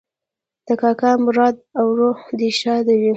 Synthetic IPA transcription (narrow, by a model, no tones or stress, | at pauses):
d̪̥əkɑkamɾɑd̪̚awɾod̪iʃɑd̪awi